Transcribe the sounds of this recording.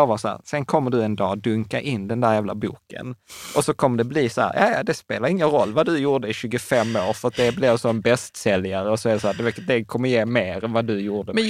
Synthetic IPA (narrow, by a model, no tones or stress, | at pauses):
ɑːvɑsɔhæ̰ːɾsɛnkʰɔmːəɖɵɛnd̪ɑːd̪ɵŋkaʔɪnːd̪ɛnd̪æːɾjæːvla̰bṵːkə̰nʔɔsɔkʰɔmːəɖ̪ɛbliːsɔhæ̰ɾjʔɑ̰ːjd̪ɛspeːlaɾɪŋːənɾɔlːvad̪ɵjuːɖəɪɕʉ̟ːɡʊfɛmːoːɾfœɾat̪̚d̪ɛblɛvsɔɛnbɛst̪sɛljaɾəɔsɔæɾɛsæːd̪ɛd̪ɛkʰɔmːəɾjeːmeːɾɛnvad̪ɵjuːɖə